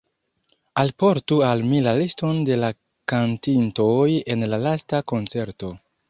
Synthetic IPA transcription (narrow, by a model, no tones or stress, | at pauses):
alpo̞ɾtualmilalisto̞nde̞la | kantintoje̞nlalastako̞nt͡se̞ɾto̞